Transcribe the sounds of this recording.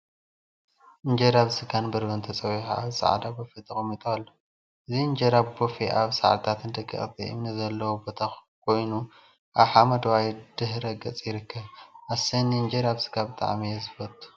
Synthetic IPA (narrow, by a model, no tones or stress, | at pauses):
ʔɨɲd͡ʒɐɾaβsɨɡanbɐɾbɐnt̪ʰɐt͡sʼɐwiħa̰aβsa̰ʕ̰d̪abofet̪ʰɐkʼmit̪ʼalːo | ɨziɨnd͡ʒɐɾaβbofeʔaβsa̰ʕa̰t̪ʰat̪ʰɨnd̪ɐɡʼɐ̰χʼt̪ʰḭʔɨ̰mnɨzɐlːɐwubot̪ʰa | kʰo̞jnu | ʔaβħamɐd̪wajd̪̥ɨhɾɐɡɐt͡sʼjɪɾɨkʰːɐβʔasɐniɨnd͡ʒɐɾaβsɨ̥ɡabɨt̪ʼa̰ʕmijezɨfɐt̪ʼu̥